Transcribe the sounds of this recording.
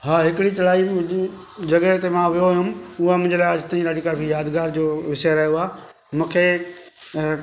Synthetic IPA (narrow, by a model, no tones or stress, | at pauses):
ɦaːɦɪkɪɽit͡ɕɐlaːi | d͡ʑɐɡət̪emãʋijoɦʊ̃mʊɦamʊ̃ɪɲd͡ʑlaːəd͡ʑt̪aːĩɾaːɽikaːpʰijaːd̪ɡaːɾd͡ʑoːʋɪseɾɐɦijoaː | mũːkʰe